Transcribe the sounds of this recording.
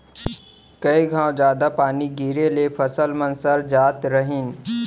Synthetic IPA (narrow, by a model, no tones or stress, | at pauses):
kəiɡʱãːwd͡ʒaːd̪apaːniɡiːɾelepʰəsəlmənsəɾd͡ʒaːt̪ɾəɦɪn